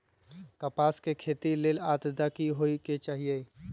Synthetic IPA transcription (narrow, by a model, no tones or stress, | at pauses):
kəpaːskekʰeːt̪ileːlaːt̪d̪akiɦoiket͡ʃaːɦie